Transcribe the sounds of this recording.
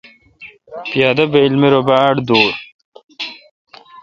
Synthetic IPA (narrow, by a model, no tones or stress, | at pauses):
pjaːd̪ɐbɐilmeɾobaːɖd̪oːɾ